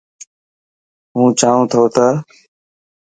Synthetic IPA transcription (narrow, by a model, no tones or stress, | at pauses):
ɦũːt͡ʃaːʋũːt̪ʰoːt̪əː